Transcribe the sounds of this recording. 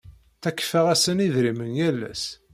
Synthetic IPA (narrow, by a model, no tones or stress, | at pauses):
θækːfəʁæsəniðɾimənjælːæ̰s